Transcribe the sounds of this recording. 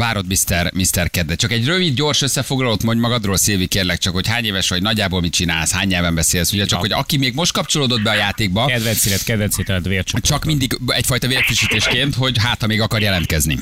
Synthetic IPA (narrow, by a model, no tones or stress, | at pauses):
vaːɾo̞d̪mist̪ɛrmist̪ɛrkɛd̪ːɛt͡ʃɒkɛɟrøvid̪ɟo̞rʃøsːɛfo̞ɡlɒlot̪mo̞ɲɟmɒɡɒd̪roːlseːvikeːrlɛk̚t͡ʃɒkho̞chaːɲeːvɛʃʋɒɟnɒɟːaːbolmit̪̚t͡ʃina̰ːlshaːɲɲɛlvɛmbɛseːlsuɟɛt͡ʃɒho̞ɟɒ̰kimeːɡmo̞ʃt̪̚kɒpt͡ʃo̞loːd̪o̞d̪bɛɒjaːt̪eːɡ̚bɒɛd̪vɛnsilɛt̪kɛd̪vɛnshet̪ɛɛt̪ʋeːlt͡ʃt͡ʃɒkmind̪iɡɛcfɒjt̪ɒveːɾfiʃiːt̪eːʃkeːnt̪ho̞ɟɦaːt̪ɒmeːɡɒkɒrjɛlɛnt̪kɛznḭ